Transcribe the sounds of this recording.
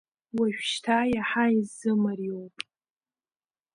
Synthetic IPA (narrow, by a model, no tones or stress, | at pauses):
waʃᶣʃtʰajaħaizɨmarjowpʼ